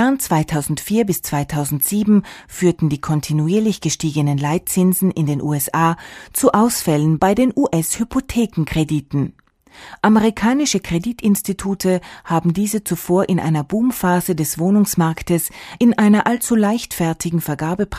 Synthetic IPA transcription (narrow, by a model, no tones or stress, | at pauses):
ɛʁnt͡sv̥aɪtʰaʊzn̩tfiːɐbɪst͡sv̥aɪtʰaʊzn̩tz̥iːbm̩fyːɐtn̩diːkʰɔntʰinuiːɐlɪçɡ̥əʃtiːɡənənlaɪt̚t͡sɪnzn̩ɪndeːnʔṵːɛsʔaːt͡suʔaʊsfɛlənbaɪdeːnʔuːʔɛshypʰotʰeːkŋ̩kʁ̥ediːtn̩ | ʔameʁikʰaːnɪʃəkʁ̥editɪnstitʰuːtʰəhaːbm̩diːzət͡sufoːɐʔɪnʔa̰ɪnɐbuːmfaːzədɛsv̥oːnʊŋsmaɐktəsʔɪnʔaɪnɐʔalt͡sulaɪçtfɛɐtʰɪɡŋ̩fɛɐɡaːbəp